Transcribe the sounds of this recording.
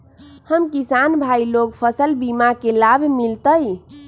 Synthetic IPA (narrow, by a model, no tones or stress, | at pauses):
həmkisanbʱailokpʰəsəlbimakelabʱmilt̪əj